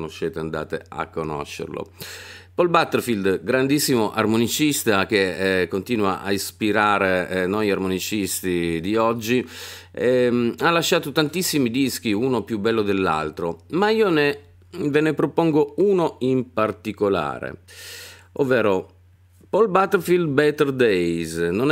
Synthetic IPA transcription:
noʃːɛːt̪eand̪a̰ːt̪ḛa̰kːono̰ʃːḛrlo̰polbat̪ːerfild̪ɡɾand̪isːimoʔarmonit͡ʃist̪ak̟ekːont̪iːnwa̰ʔa̰ispiɾaːɾenɔjarmonit͡ʃist̪id̪iɔd͡ʒːi | ɛmalːaʃːaːt̪ot̪ant̪isːimid̪isk̟iunopjubːɛlːod̪elːa̰lt̪ɾomaiːone | venepɾopɔŋɡouːnoimpart̪ikola̰ːɾḛ | ʔovːɛːɾo | pɔlbat̪ːɛrfild̪̚bɛt̪ɛrd̪ejznon

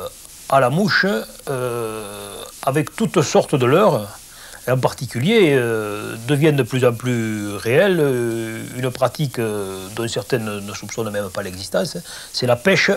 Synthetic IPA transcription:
alamuʃəø | avɛkt̪ut̪sɔʁt̪əd̪əlœʁ | eɑ̃paʁt̪ikyljeød̪əvjɛ̃nd̪əplyzɑ̃mplyʁeɛl | ynəpχat̪ikəd̪ɔ̃sɛʁt̪ɛnənəsupsɔnmɛmpalɛɡzist̪ɑ̃ssɛlapɛʃə

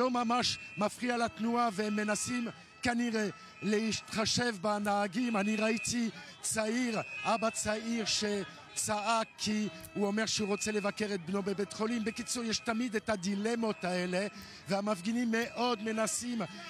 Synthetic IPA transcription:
omamaʃmafʁialat̪nuaveemːenasim | kaniʁe | leit̪χaʃevbanaːɡimaniʁait̪i | t͡saiʁabat͡saiʁʃe | t͡saakʰːi | uomeʁʃeuʁot͡selevakeʁet̪̚bnobebet̪χolimbekit͡sojɛʃtamid̪etad̪ilemo̞t̪aele | veamafɡinimːeʔo̞d̪menasim

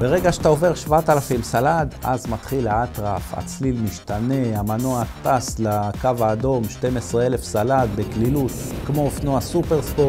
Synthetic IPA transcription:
b̥e̞ʁe̞ɡaʃe̥t̪ao̞ve̞ʁʃvat̪alafimsalad̪ʔa̰zmat̪χilaat̪ʁafa̰t͡slilmiʃt̪ane̞amanoat̪aslakavaːd̪o̞mʃt̪e̞mesʁeele̞fsalad̪̚beklilut̪kmo̞efnoasupe̞ʁspo

